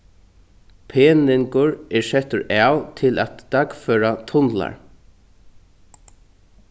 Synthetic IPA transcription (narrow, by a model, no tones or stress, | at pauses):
pʰeːnɪŋkʊɹɛɹsɛt̪ʊɹʔaːwt̪ʰɪla̰t̪ːaɡføːɾat̪ʰʊnla̰ɹ